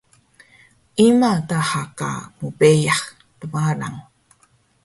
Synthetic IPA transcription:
ʔimatahaka̰mupejaχ | t̪uwala̰ŋ

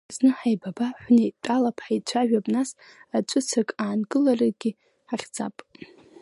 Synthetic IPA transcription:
znɨħajbabaħʷnejtʼalapʰʼħait͡ʃʷʰaʒᶣapʼnasat͡ʃʷʼʊt͡sʰakʼaːnɡɨlaraɡʲi | ħaχʲd͡zapʼ

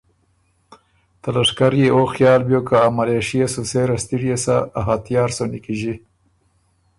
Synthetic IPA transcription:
t̪alaʂkaɾjeoxjɑːlbjokaːmaleʃijasoseɾast̪iɽjasaːɦat̪jɑːɾsonikiʒi

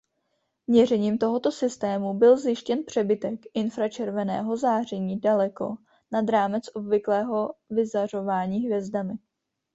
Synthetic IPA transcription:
vɲɛr̝ɛɲiːmt̪o̞ɦo̞t̪o̞sɪst̪ɛːmubɪlzjɪʃcɛnpr̝̥ɛbɪt̪ɛkʔɪnfɾat͡ʃɛɾvɛnɛ̰ːɦo̞zaːr̝ɛɲiːdalɛko̞̰ | nad̪ɾaːmɛt͡sʔo̞bvɪklɛːɦo̞vɪzar̝o̞vaːɲiːɦvjɛzdamɪ

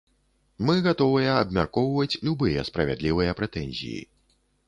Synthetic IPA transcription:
mɨɣat̪ɔvɨjɐːbmʲarkɔwvɐt͡sʲlʲubɨjɐ̰spɾɐvʲɛ̰d̪lʲivɨjɐpɾɛt̪ɛnʲzʲḭjḭ

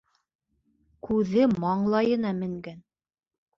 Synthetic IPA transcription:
kʉðɘmɑɴlˠɑjɤ̆nɑmɘ̆ŋɡæn

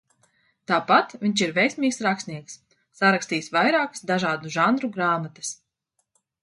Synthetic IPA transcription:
t̪aːpat̪viɲʲt͡ʃiɾvɛjsʲmʲiːksɾaksnʲiɛksː | aɾakst̪iːsvajɾaːkə̥sd̪aʒaːd̪uʒanɾuɡɾaːmat̪ɨ̥s

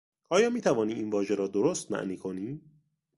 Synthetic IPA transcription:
ʔɒːjɒːmiːt̪ʰævɒːniːʔinvɒːʒeɾɒːd̪oɾost̪mæ̰ʔniːkʰo̞niː

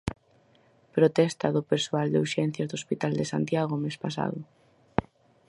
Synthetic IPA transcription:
pɾot̪ɛst̪aðʊpeɾsuald̪euɾʃɛn̟θjɐzðospit̪ald̪esa̰nt̪jaɣ̞omespas̬a̰ðʊ

